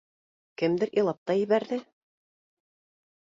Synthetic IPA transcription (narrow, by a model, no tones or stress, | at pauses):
kɘmd̪ɘɾʔilˠɑp̚t̪ɑjɘ̆βæɾðɘ